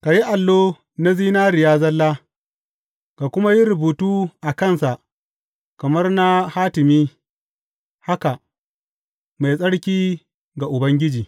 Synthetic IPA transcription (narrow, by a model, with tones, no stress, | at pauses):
ka˨ji˦ʔa˨lːoː˦ | na˦ziː˦naː˦ɾɪ˨jaː˦zɐ˦lːaː˦ | ka˨kʷʊ˦ma˦ji˦ɾʊ˨buː˨tuː˦ʔa˨kɐ˦˨nsa˨ʔ | kɐ˨mɐ˦rna˦haː˦tɪ˨miː˦ | ha˦ka˨ʔ | ma˨jsʼɐ˦ɽkʲiː˦ | ɡa˨ʔʊ˨bɐ˦ŋɡʲɪ˦d͡ʒiː˨